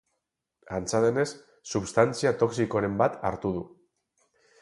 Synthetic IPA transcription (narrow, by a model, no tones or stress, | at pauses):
ant͡saðe̞ne̞sː | uβst̪ant͡siat̪o̞ksiko̞ɾe̞mbat̪a̰ɾt̪uð̞u